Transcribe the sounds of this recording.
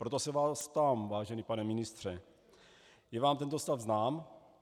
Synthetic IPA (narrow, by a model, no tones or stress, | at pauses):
pɾot̪osɛvaːst̪amvaːʒɛnipanɛmɪnɪst̪r̝̥ɛ | jɛvaːmt̪ɛnt̪ost̪avznaːm